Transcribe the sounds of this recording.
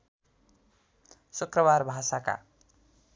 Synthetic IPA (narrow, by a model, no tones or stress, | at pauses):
sukrʌβarbʱasaka̰